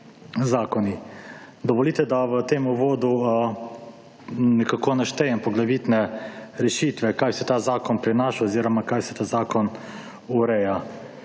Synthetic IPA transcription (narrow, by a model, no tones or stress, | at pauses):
zaːkɔni | d̪ɔʋɔlit̪ɛd̪aʋət̪eːmuʋoːd̪u | nɛkakonaʃt̪ɛjɛmpɔɡlaʋit̪nɛɾɛʃit̪ʋɛkajsɛt̪aːzaːkɔnpɾɛnaʃaɔziːɾɔmakajsɛ̥t̪aːzaːkɔn | uɾɛja